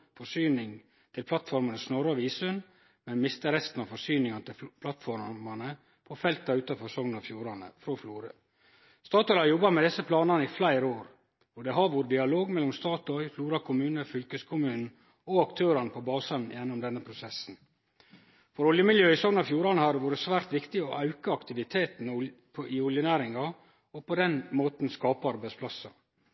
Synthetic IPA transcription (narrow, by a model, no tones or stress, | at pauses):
fɔsyːnɪŋ | t̪ʰɪlpʰlɑt̪fɔɾmɑnəsnɔɾɑʋiːsʉn | mɛnmɪst̪əɾɛst̪n̩ɑfɔsyːnɪŋɑnət̪ɪlpʰlɑt̪fɔɾmɑnə | pʰɔfɛlt̪̚ɑʉːt̪ɑfɔsɔŋnɑfjuːɾɑnə̰fɾoːfluːɾə | st̪ɑːt̪ɔʏhɑɾjɔbːɑmɛd̪ɪsːəpʰlɑːnɑnəiflæɪɾoːɾ | ɔd̪ɛɦɑɾʋoːɾəd̪ɪɑloːɡmɛlːʊmst̪ɑːt̪ɔʏfluːɾɑkʰʊmʉːnəfʏlkəskʰʊmʉːnn̩ | ɔɑkt̪ʰøːɾɑnəpʰɔbɑːsɑnjɛnːʊmd̪ɛnːəpʰɾʊsɛsn̩ | fɔɾɔljəmɪljøːɪsɔŋnɑfjuːɾɑnəhɑɾʋoːɾəsʋæːɾt̪ʋɪkt̪ɪɔʔɑʉkəɑkt̪ɪʋɪt̪ʰeːt̪n̩pʰɔʔɪʊljənæːɾɪŋɑ | ɔpɔd̪ɛnmoːt̪n̩skɑːpɑɑɾbæɪspʰlɑsɑ̰